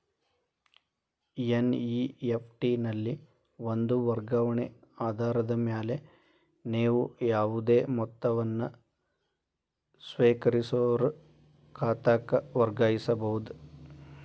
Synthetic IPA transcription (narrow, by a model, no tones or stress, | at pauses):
jeniepʰʈinɐlːi | ʋond̪uʋɐɾɡɐʋɐɳeaːd̪ʱaːɾɐd̪ɐmjaːle | neːʋujaːʋud̪eːmɔt̪ːɐʋɐnːɐ | sʋeːkɐɾisoːɐɾu | kʰaːt̪aːkɐʋɐɾɡaːjisɐbɐɦud̪u